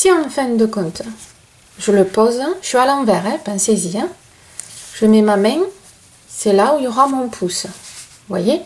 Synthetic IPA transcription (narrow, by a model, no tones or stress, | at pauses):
siɑ̃fɛ̃d̪əkɔ̃t̪ | ʒələpɔzsɥialɑ̃vɛʁɛ̃pɛ̃seziɛ̃ | ʒ̥əmɛmamɛ̃ | sɛlaujɔʁamɔ̃pʰus | vwaje